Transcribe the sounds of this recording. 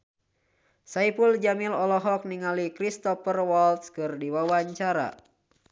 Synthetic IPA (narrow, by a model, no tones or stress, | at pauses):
saipuld͡ʒamilɔlɔɦɔk̚niŋalikɾist̪ɔfərwɔlt̪skɨrdiwawaɲt͡ʃaɾa̰